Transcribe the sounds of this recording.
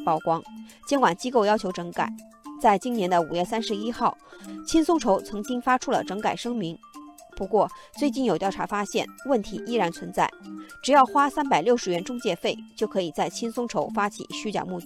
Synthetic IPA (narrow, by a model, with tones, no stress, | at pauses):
pɑ˥˩ʊkwɑ˥ŋt͡ɕjɛ˥nkwa˨˩nt͡ɕi˥ko˥˧ʊjɑ˥ʊt͡ɕʰjo˧˥ʊʈ͡ʂɤ˧˥ŋka̰˨˩˦ɪ | t͡sa˥˩ɪt͡ɕi˥njɛ˧˥nd̪ə˧u˨˩jɥɛ˥˩sa˥nʂɻ̩˧˥i˥xɑ˥˩ʊt͡ɕʰi˥nsʊ˥ŋʈ͡ʂʰo˧˥ʊt͡sʰɤ˧˥ŋt͡ɕi˥ŋfa˥ʈ͡ʂʰu˥lə̰˨˩ʈ͡ʂɤ˧˥ŋka˨˩ɪʂɤ˥ŋmi˧˥ŋpu˧˥kwɔ˥˧t͡swe˥˧ɪt͡ɕi˥˩njo˨˩ʊt̪jɑ˥˩ʊʈ͡ʂʰa̰˧˥fa˥ɕjɛ̰˥˩nwə˥˩nt̪ʰi˧˥ʔi˥ɻa˧˥nt͡sʰwə˧˥nt͡sa˥˩ɪʈ͡ʂɻ̩˨˩jɑ˥˩ʊxwa˥sa˥npa˨˩ɪljo˥˩ʂɻ̩˧˥ɥɛ˧˥nʈ͡ʂʊ˥ŋt͡ɕjɛ˥˧fe˥˩ɪt͡ɕjo˥˩ʊkʰɤ˧˥i˨˩t͡sa˥˩ɪt͡ɕʰi˥nsʊ˥ŋʈ͡ʂʰo˧˥ʊfa˥t͡ɕʰḭ˨˩ɕy˥t͡ɕjɑ̰˨˩ʊmu˥˩˥